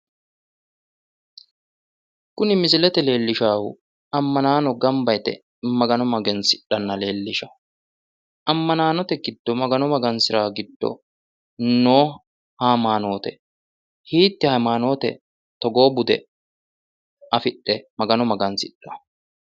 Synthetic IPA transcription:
kʊnɪmɪs̬ɪlɛt̪ɛle̞ːlːɪʃaːhʊ̰ | ɐmːɐnaːnɔɡɐmbɐjt̪ɛ̰ | mɐɡɐnɔmɐɡɛnsɪɗːɐnːɐle̞ːlːɪʃɐ | ʔɐmːɐnaːnɔt̪ɛɡɪd̪̥ːɔmɐɡɐnɔmɐɡɐnsɪɾaːɡɪd̪ːɔ̰ | noː | haːmaːno̞ːt̪ɛ | hiːt̪ːɪhɐmaːno̞ːt̪ɛ̰ | t̪ɔɡo̞ːbʊd̪ɛ̰ | ɐfɪɗːɛmɐɡɐnɔmɐɡɐnsɪɗːɐ

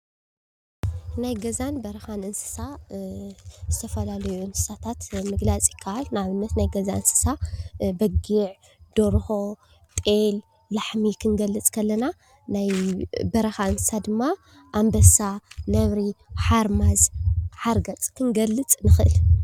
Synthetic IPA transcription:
najɡɐzanbɐɾɐxanɨnsɨ̥sa | zɨt̪ʰɐfɐlalɐjuɨnsɨ̥sat̪ʰat̪mɨɡlat͡sʼɪ̥kʰːaalnaβɨnːɐt̪najɡɐzaɨnsɨ̥sabɐɡiʕ | d̪̥oɾho̞ | t̪ʼel | laħmikʰɨnɡɐlːɨt͡sʼkʰɐlːɐna | najbɐɾɐxaɨnsɨ̥sad̪ɨmːa | ʔambɐsanɐβɾiħaɾmazħaɾɡɐt͡sʼkʰɨnɡɐlːɨt͡sʼnɨxʔɨ̰l

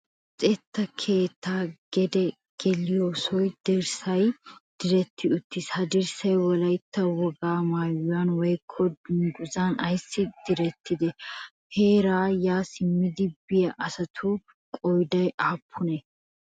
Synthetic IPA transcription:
t͡sʼɛt̪ːɐkʰe̞ːt̪ːaːɡ̥ɛd̪ɛ | ɡ̥ɛlɪjoːsɔjd̪̥ɪɾsɐjd̪̥ɪɾɛt̪ːɪʊt̪ːɪshɐd̪ɪɾsɐjwɔlɐjt̪ːɐwɔɡaːmaːjʊjɐnwɔjkʰːɔd̪ʊŋɡʊzanɐjsːɪd̪̥ɪɾɛt̪ːɪd̪ɛheːɾaːjaːsɪmːɪd̪ɪbɪjɐʔɐsɐt̪ʰʊ | kʼɔjd̪ɐjʔaːpʰːʊnɛ

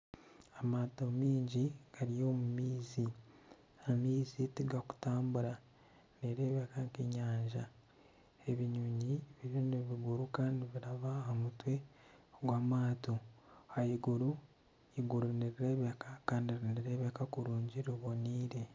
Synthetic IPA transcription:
amato̞miːɲɟiɡ̥aɾijo̞ːmumiːzi | amiːzitiɡaku̥taːmbuɾa | neɾeːβjakaŋkiɲaːɲʒa | e̞βiɲuɲiβiɾuneβiɡuɾukaːndiβiɾaβaomutwe̞ɡwaːmaːtoajiɡuɾu | iɡuɾuniɾiɾeːβakakaːndiɾiniɾe̞ːβjakakuɾuːɲɟiɾiβo̞niːɾe̞

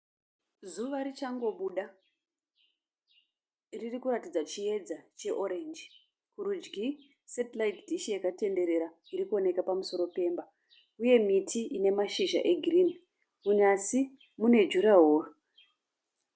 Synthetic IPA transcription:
zuʋaɾit͡ʃaŋɡo̞ɓuɗa | ririkuɾatid͡zat͡ʃie̞d͡zat͡ʃe̞ʔo̞ɾe̞nd͡ʒi | kuɾud͡ʒɡi | setlaitdʱiʃijakate̞nde̞ɾe̞ɾa | iɾikuo̞ne̞kapamuso̞ɾo̞pe̞ːmba | uje̞mitʰiine̞maʃiʒa̰ʔe̞ɡʱrin | munasi | mune̞d͡ʒuɾaɦoːro

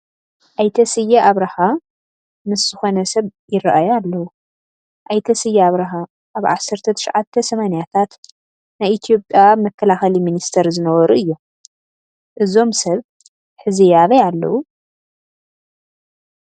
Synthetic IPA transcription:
ʔajt̪ʰɐsɨjːaʔaβɾɐha | mɨszɨxo̞nɐsɐβjɪrɐʔajalːɐwu | ʔajt̪ʰɐsɨjːaaβɾɐɦa | ʔːβʕasːɐɾt̪ʰɐt̪ʰɨʃʕat̪ʰːɐsɐmanijat̪ʰat̪ | najʔit̪ʰijo̞pʼjamɐkːɐlaxɐliminist̪ʰɐɾzɨnɐwɐɾuɨjːu | ʔɨzo̞msɐβ | ħɨzijaβɐjalːɐ̰wu

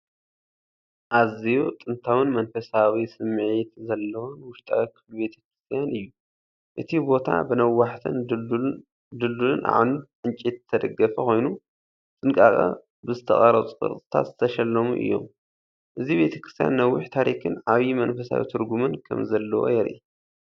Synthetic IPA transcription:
ʔazijot̪ʼɨnt̪ʰawɨnmɐnfɐsawisɨmʕit̪zɐlːɐwonwʊʃt̪ʼa̰wɐkʰːɨlube̞t̪ʰɐ̥kɾɨst̪ʰijanʔɨjːu | ʔɨt̪ʰibo̞t̪ʰa̰bɨnɐwaħt̪ʰɨn | d̪ɨlːulɨnʔa̰ʕnuʕɨnt͡ʃʼit̪ɨt̪ʰːɐd̪ɐɡːɐfɐko̞jnu | t͡sʼɨnkʼa̰kʼɐ̰ | bɨzɨt̪ʰɐ̰χʼɐɾɐt͡sʼukʼɨ̰ɾt̪ʼɨt̪ʰa̰t̪zɨt̪ʰɐʃɐlːɐmṵʔɨ̰jːo̞̰m | ʔɨziβe̞t̪ʰɐ̥kɾɨst̪ʰija̰nːɐwːʊħt̪ʰaɾikʰɨnʕaβjimɐnfɐsa̰wḭt̪ʰɨɾɡumɨnkʰɐ̰mzɐlːɐwo̰jɛɾʔḭ

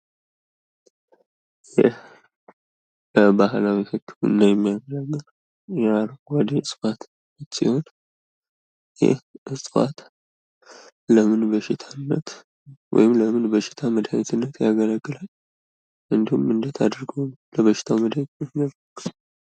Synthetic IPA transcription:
jɛ̰h | bəbahlawihɨkːɨmɨ̰nːajɛmːijaɡələɡːɨl | jaɾəɡwad̪eɨsʼfat̪ | ɨtsḭho̞n | jɛ̰hʔɨsʼfa̰t̪ | ləmɨnbəʃɪt̪ʰanːət̪ | wɔ̰jɪmləmɨnbəʃɪ̥t̪ʰaməd̪hajt̪ʰɨnːət̪jaɡələɡːɨlal | ʔɨnd̪ihumɨnd̪ət̪ʰad̪ɾɡowləβəʃɪ̥t̪ʰawməd̪hajt̪əɡəl

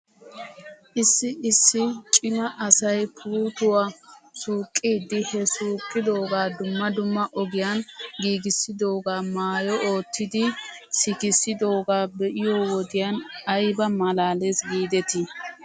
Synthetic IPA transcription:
ʔɪsːɪɪsːɪt͡ʃʼɪnɐʔɐsɐjpʰuːt̪ʊwaːsuːkʼːiːd̪ːɪhɛsuːkʼːɪd̪o̞ːɡaːd̪ʊmːɐd̪ʊmːɐʔɔɡɪjanɡiːɡɪsːɪd̪oːɡaːmaːjɔo̞ːt̪ːɪd̪ɪ | sɪkɪsɪd̪o̞ːɡaːbɛʔɪjoːwɔd̪ɪjanɐjbɐmɐlaːlesɡiːd̪ɛt̪ɪ

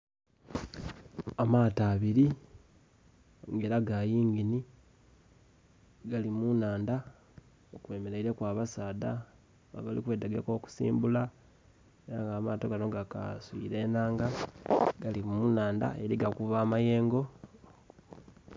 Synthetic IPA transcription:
amaːtaːβiɾi | ŋɡe̞ːɾaɡajiːŋɡini | ɡalimunaːnda | okwe̞me̞ɾe̞iɾe̞kwaːβasaːda | a̰βalikwe̞daɡeko̞ku̥sḭːmbula | eɾaŋɡaːmaːtoɡano̞ɡaka̰swḭɾe̞naːŋɡaɡ̥alimunaːnda̰eɾiɡakuvaːmaje̞ːŋɡo̞

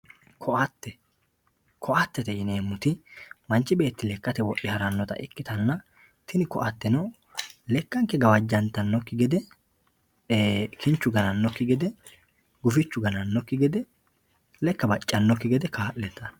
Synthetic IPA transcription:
kʰɔʔɐt̪ːɛ | kʰɔʔɐt̪ːɛt̪ɛɪneːmːʊt̪ɪmɐnt͡ʃːɪbe̞ːt̪ːɪlɛkːɐt̪ɛwɔʔːɪhɐɾɐnːɔt̪ɐ̰ʔɪkːɪt̪ɐnːɐ | t̪ɪnɪkɔʔɐt̪ːɛnɐw | lɛkːɐŋkːɛɡɐwɐd͡ʒːɐnt̪ːɐnːɔkːɪɡɛd̪ɛ | kʰɪnt͡ʃːʊɡɐnɐnːɔkːɪɡɛd̪ɛ | ɡʊfɪt͡ʃːʊɡɐnɐnːɔkːɪɡɛd̪ɛ | lɛkːɐbɐt͡ʃʼːɐnːɔkːɪɡɛd̪ɛkaːʔɛt̪ːɐ

